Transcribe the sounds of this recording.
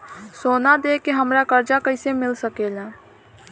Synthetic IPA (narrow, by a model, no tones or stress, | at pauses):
sonad̪ekeɦəmɾakəɾd͡ʒakəɪsemɪlsəkeːla